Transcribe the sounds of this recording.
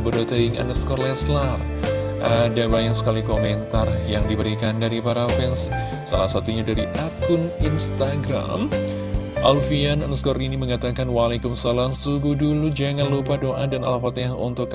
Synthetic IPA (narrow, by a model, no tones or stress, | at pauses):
bərdat̪aɪŋʔa̰nəskɔrlɛslar | ʔadabaɲaksə̥kalikomɛnt̪arjaŋdibəɾikandaɾipaɾafɛnsː | a̰lasat̪uɲadaɾiʔakʊninst̪aɡɾa̰m | ʔalfiananəskɔɾiniməŋat̪akanwalekʊmsalamsuɡudulud͡ʒaŋanlupadoʔadana̰lafat̪ɦaṵnt̪ʊk